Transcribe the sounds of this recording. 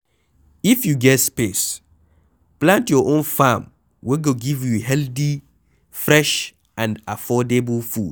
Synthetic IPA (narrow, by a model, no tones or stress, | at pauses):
ifjuɡɛtspes | plãntjɔʔõnfãm | wɛɡoɡivjuɦɛlθi | fɹɛʃ | ãndafɔdebəlfud̥